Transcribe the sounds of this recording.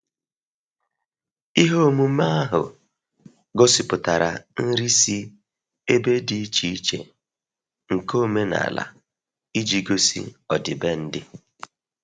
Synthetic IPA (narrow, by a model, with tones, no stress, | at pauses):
i˦ɦo˦mu˦ma˦a˦ɦʊ̰˨ | ɡo˦si˨pʊ˨ta˨ɾa̰˨n̩˦ɾi˦si˦ | e˦be˦di˨i˦t͡ʃi˨i˦t͡ʃḛ˨ | ŋ̩˨ko˦me˦na̰˨la̰˨ | i˦d͡ʒi˦ɡo˦sḭ˦ɔ˨dɪ˨be˦n̩˦dɪ˦